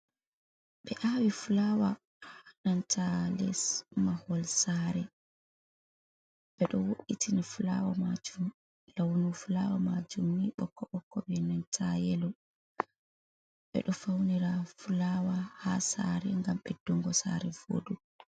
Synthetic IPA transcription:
ɓɛʔawifulawa | hanantʰalɛsmahɔlsaɾɛ | ɓɛɗɔwoɗitʰinifula̰wamad͡ʒum | lawnufulawamad͡ʒumːiɓɔkːɔɓɔkːɔɓɛnantʰajɛlɔ | ɓɛ̰ɗɔfawniɾafulawahasaɾɛŋɡamɓɛdɔŋɡɔsa̰ɾɛvo̰ːdu

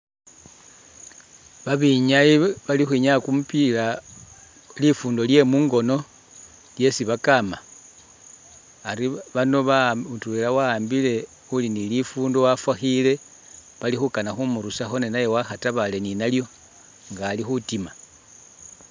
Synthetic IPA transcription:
βaβiɲaiβalixwiɲakumupila | lifuːndo̞lje̞muːŋɡo̞no̞ | lje̞siβakama | ɾiβano̞βatuwelawaːmbile̞ | ulinilifuːndowafwaxile̞ | βalixukanaxumuɾusaxo̞nenaje̞waxataβale̞ninaljo̞ | ŋɡaːlixutima

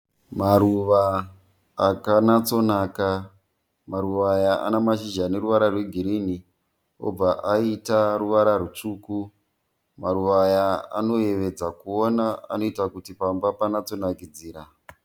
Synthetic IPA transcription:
maɾuʋaː | kanat͡so̞naːka | maɾuʋajaʔa̰namaʃiʒane̞ɾuʋaɾarwe̞ɡʱiɾini | o̞̰b͡vaʔaitaruʋaɾarut͡ʂuku | maɾuʋaːjaa̰no̞je̞ʋe̞d͡zakuonaa̰no̞itakutipambapanat͡so̞nakid͡ziːɾa

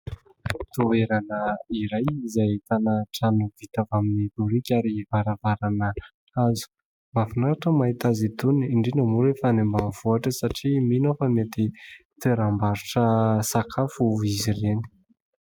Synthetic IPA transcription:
t̪oeɾanəiɾajizajt̪anaʈ͡ʂanuv̥it̪avaminit̪uɾikʲaɾivaɾavaɾanə | azu̥ | mafunaɾaʈ͡ʂəmaɦit̪azit̪uniiɳɖ͡ʐinəmuɾefanembavuaʈ͡ʂəsaʈ͡ʂiminofəmet̪it̪eɾambaɾuʈ͡ʂəsakʰafuizireni̥

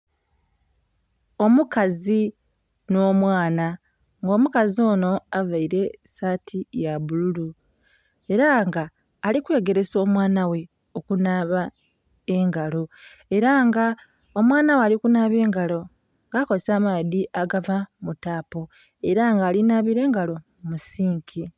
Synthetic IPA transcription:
o̞mukazi | no̞ːmwaːna | ŋɡo̞ːmukazio̞ːno̞avaiɾe̞saːtʰijaβululu | e̞ɾaŋɡaː | likwe̞ːɡe̞ɾe̞so̞ːmwaːnawe̞ | o̞kunaːβa | e̞ŋɡalo̞ | e̞ɾaŋɡa | o̞mwaːnawealikunaːβe̞ːŋɡalo̞ | ŋɡaːko̞zesamaːðiʔaɡavamutaːpo̞ | e̞ɾaŋɡaːlinaːβiɾe̞ːŋɡalo̞ | musiːŋkʰi

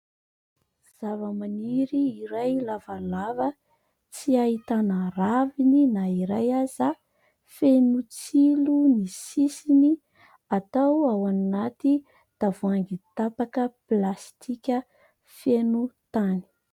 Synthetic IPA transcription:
z̥avəmaniɾiːɾajlavalavə | t͡siahit̪anəravininaiɾajaza | fenut͡silunisisini | at̪awawannat̪i | d̪̥avuaŋɡit̪apakəplast̪ʰikʲə | fenut̪ani̥

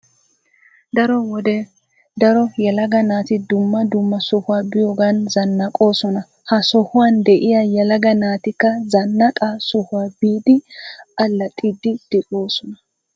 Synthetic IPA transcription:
d̪ɐɾɔwɔd̪ɛ | d̪ɐɾɔjɛlɐɡɐnaːt̪ɪd̪ʊmːɐd̪ʊmːɐsɔhʊwaːbɪjoːɡaːnzɐnːɐkʼo̞ːsɔnɐ | hɐsɔhʊwaːnd̪ɛʔɪjaːjɛlɐɡɐnaːt̪ɪkːɐzɐnːɐkʼasɔhʊwaːbiːd̪ɪʔɐlːɐt̪ʼɪd̪ɪd̪̥ɪʔo̞ːsɔnɐ̥

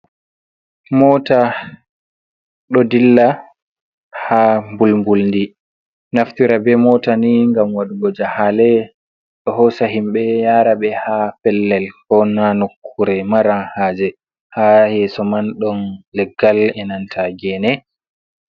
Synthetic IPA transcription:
mɔːta | ɗɔdilːa | hambulmbulndi | naftiɾabɛmɔtaniŋɡamwaɗuɡɔd͡ʒahalɛ | ɗɔhɔsaɦimɓɛjaːɾabɛhafɛlːɛlkɔnanokʰːuɾɛmaɾahaːd͡ʒɛ | hahɛsɔmanɗɔnlɛɡːalɛnantʰaɡɛnɛ

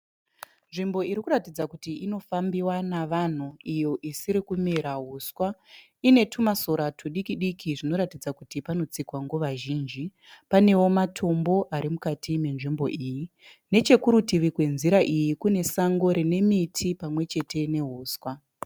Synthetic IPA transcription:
nʐimbo̞iɾikuratid͡zakutiʔino̞fambiwanaʋan̤uijo̞ʔisiɾikumeɾaɦuskwa | ine̞tʰumaso̞ɾatʰuɗikiɗikʰiʐino̞ɾatid͡zakutipano̞t͡sikwaŋɡoʋaʒiːnd͡ʒi | pane̞wo̞matʰo̞mbo̞ʔaɾimukatʰime̞nʐimbo̞̰ʔiːji | ne̞t͡ʃe̞kuɾutiʋikwe̞nziɾaʔijikune̞saŋɡo̞ɾene̞mitʰipamwe̞t͡ʃe̞te̞ne̞ɦuːswa

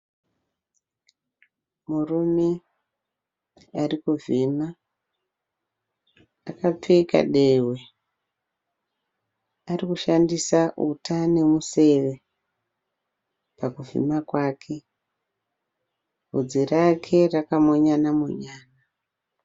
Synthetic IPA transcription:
murume̞ | arikuvima | akap͡feka̰ɗewe | arikuʃandisaʔṵtane̞muse̞ʋe̞ | pakuvḭmakwaːkʰe̞ | ɦud͡zirakʰe̞rakamo̞ɲanamo̰ɲaːna

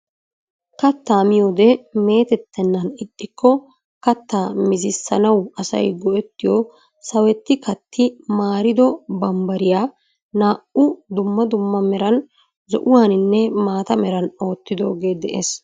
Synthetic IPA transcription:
kɐt̪ːaːmɪjo̞ːd̪ɛme̞ːt̪ɛt̪ːɛnːɐnɪtʼːɪkʰːɔ | kɐt̪ːaːmɪzɪsːɐnɐwɐsɐ̰jɡɔʔɛt̪ːɪjɔ | sɐwɛt̪ːɪkɐt̪ːɪmaːɾɪd̪ɔbɐmbɐɾɪjaː | naːʔʊd̪ʊmːɐd̪ʊmːɐmɛɾɐn | zɔ̰ʔʊwaːnɪnːɛmaːt̪ɐmɛɾɐno̞ːt̪ːɪd̪o̞̰ːɡe̞ːd̪ɛʔḛs

